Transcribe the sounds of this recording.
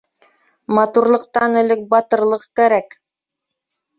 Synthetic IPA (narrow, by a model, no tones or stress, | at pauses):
mɑt̪uɾlˠɤ̆q̚t̪ɑnɘ̆lɘk̚bɑt̪ɤ̆ɾlˠɤqkæɾæk